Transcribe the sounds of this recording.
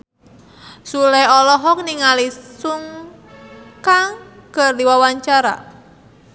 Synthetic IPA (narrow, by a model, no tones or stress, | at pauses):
sulɛɔlɔɦɔk̚niŋalisuŋ | kaŋkərd̪iwawaɲt͡ʃaɾa̰